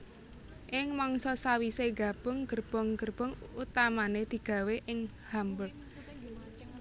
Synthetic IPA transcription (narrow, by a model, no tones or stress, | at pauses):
ʔɪŋmɔŋsɔsawiseɡä̤b̥ʊ̤ŋɡ̥ə̤rb̥ɔ̤ŋɡ̥ərb̥ɔ̤ŋut̪amaned̪̥i̤ɡ̥ä̤weʔɪŋ | hambət̚